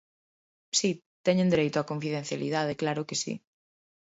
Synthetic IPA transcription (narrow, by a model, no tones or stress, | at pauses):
si | t̪ɛɲẽnd̪eɾejt̪ʊakoɱfiðẽn̟θjalḭðað̞eklaɾʊkesḭ